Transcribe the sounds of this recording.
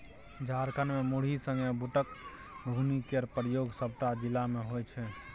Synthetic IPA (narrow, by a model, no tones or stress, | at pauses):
d͡ʒʱaɾkənmemuɽ̤isə̃ŋɡɛbuʈək | bʱunikəɾpɾjoɡsəb̚t̪ad͡ʒilameɦojt͡ʃʰɛ